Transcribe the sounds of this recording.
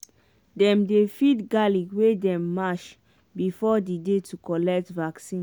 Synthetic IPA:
dɛ̃mdefidɡaliwedɛ̃mːaʃ | bifɔdidetʰukɔlɛk̚tvaksĩn

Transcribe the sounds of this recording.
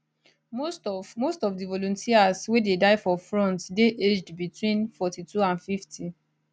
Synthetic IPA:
momostɔfdivɔlɔ̃ntʰiaswededaɪfɔfɹɔ̃ntdeʔed͡ʒdbitwĩnfɔtitʰuãnfifti

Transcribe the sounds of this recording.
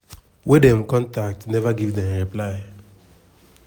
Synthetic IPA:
wedɛ̃mkɔ̃ntak̚tnɛvaɡivdɛ̃mɹiplaɪ

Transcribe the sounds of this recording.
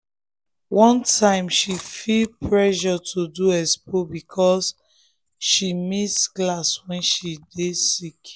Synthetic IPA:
wɔ̃ntʰãɪ̃mʃifilpɹɛʃɔtʰuduɛspobikʰɔs | ʃimisɡlaswɛ̃nʃidesik

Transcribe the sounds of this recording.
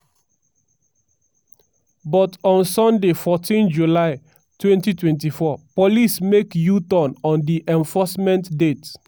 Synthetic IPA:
bɔtɔ̃nsɔ̃ndefɔtʰĩnd͡ʒulaɪ | twɛ̃ntitwɛ̃ntifɔpolismekjutɔ̃nɔ̃ndiʔɛ̃ɱfɔsmɛ̃ntdet

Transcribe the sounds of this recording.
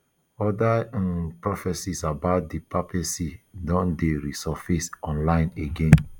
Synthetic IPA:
ɔdãpɹɔfɛsisabaʊt̚dipapɛsidɔ̃ndeɹisɔfesɔ̃nlãɪ̃neɡẽn

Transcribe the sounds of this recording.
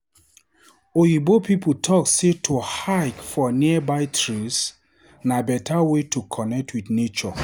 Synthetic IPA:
ojibopiputʰɔkssetʰohakfɔniəbaɪtʰɹis | nabɛtʰawetʰukʰɔnɛk̚tʰwidnet͡ʃɔ

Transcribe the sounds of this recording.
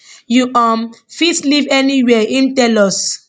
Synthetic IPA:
juɔmfitslivɛniwɛĩmtɛlɔs

